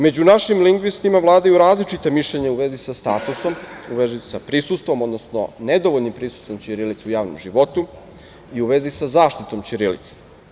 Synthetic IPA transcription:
me̞d͡ʑunaʃimliŋɡʋist̪imaʋlˠaːd̪ajuɾaːzlit͡ʃit̪amiʃʎeɲeuʋezisast̪aːt̪uso̞muʋezisapɾisust̪ʋo̞mo̞d̪nosno̰ned̪oʋoʎnimpɾisu̥st̪ʋo̞mt͡ɕiɾilit̪sujaːʋno̰mʒiʋo̞t̪u | iuʋe̞zisazaːʃt̪it̪o̞mt͡ɕiɾilḭt̪se̥

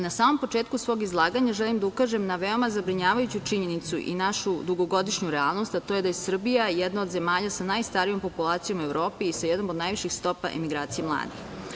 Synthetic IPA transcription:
nasaːmo̞mpo̞t͡ʂe̞ːt̪̚kusʋo̞ːɡizlˠaːɡaɲaʒelimd̪aukaʒemnaʋe̞o̞mazabɾiɲaːʋajut͡ɕut͡ʃiɲe̞nit̪sṵʔḭnaʃud̪uɡo̞ɡo̞d̪iʃɲuɾɛalˠno̞st̪at̪o̞je̞d̪ajesr̩bijajɛd̪naod̪ze̞maːʎasanajst̪aɾijo̞mpo̞pulˠaːt̪sijo̞me̞vɾo̞ːpiisajɛd̪nomod̪najʋiʃixst̪o̞pa̰ʔḛmiɡɾaːt̪sijemlˠa̰ːd̪ḭx

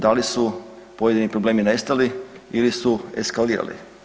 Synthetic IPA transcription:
d̪alisu | po̞je̞d̪inipɾoble̞ːmine̞st̪aliilisue̞̰skaliːɾa̰lḭ

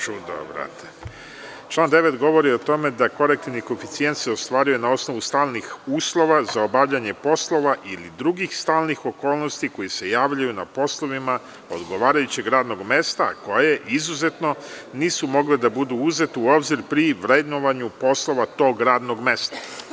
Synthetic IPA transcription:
t͡ʃud̪o̰bɾa̰t̪ʰe̥ | t͡ʃlˠaːnd̪e̞ʋe̞t̪ɡo̞ʋo̞ɾio̞t̪o̞me̞d̪ako̞ɾek̚t̪iniko̞fit̪sije̞nt̪seo̞st̪ʋaːɾujunao̞sno̞ʋust̪aːlnixuːslˠo̞ʋazao̞baʋʎaɲe̞po̞slˠo̞ʋaʔilid̪ɾuɡixst̪aːlˠnixo̞ko̞ːlˠno̞st̪iko̞jese̞jaːʋʎajuna̰po̞slˠo̞ʋima | o̞̰d̪ɡo̞ʋaːɾajut͡ɕe̞ɡɾaːd̪no̞ɡme̞st̪a̰ko̞je̞ʔizuze̞t̪no̞ | niːsumo̞ɡled̪abud̪uuze̞t̪uo̞bziɾpɾiʋɾe̞d̪noʋaɲupo̞slˠo̞ʋat̪o̞ːɡɾaːd̪no̞ɡme̞st̪ḁ

